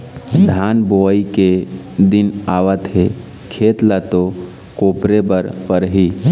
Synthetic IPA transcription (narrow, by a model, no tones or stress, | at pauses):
d̪ʱanboike | d̪inaʋət̪ɦe | kʰeːt̪lat̪o | koːpɾebəɾpəɾɦi